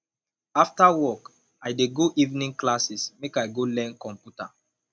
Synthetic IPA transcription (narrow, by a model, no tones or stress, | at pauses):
aftawɔk | ajdeɡoʔivnĩŋklasismekajɡolɛ̃nkɔ̃mpjuta̰